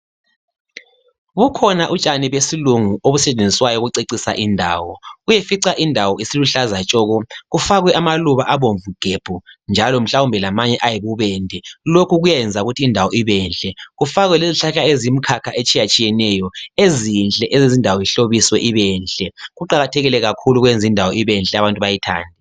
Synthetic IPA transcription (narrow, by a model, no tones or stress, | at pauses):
βukʰɔnaʔut͡ʃʼaniβesiluŋuoβusɛt͡ʃʼend͡zʱiswajɔɣuǀeǀisa̰ʔindʱa̰ːwɔɣujefiǀaʔindʱawɔisiluɬazat͡ʃʼɔːɣɔɣufaɣwɛʔamaluβaʔaβoɱvuɡ̥ʱeb̥ʱund͡ʒʱalɔm̩ɬaumbʱɛlamaɲɛʔajiβuβɛndʱɛlokʰuɣujajɛnd͡zʱauɣutʰiːndʱawɔiβɛnɬʼɛɣufaɣwɛleziɬaɬaezim̩kʰakʰaʔet͡ʃʼijat͡ʃʼijɛnɛjɔezinɬʼɛʔɛzizindʱawɔiɬoβiswɛʔiβɛnɬʼɛɣuǃaɣatʰɛɣilɛɣakʰuluɣwend͡zʱindʱawɔiβɛnɬʼɛaβantʼuβajitʰa̰ːndʱɛ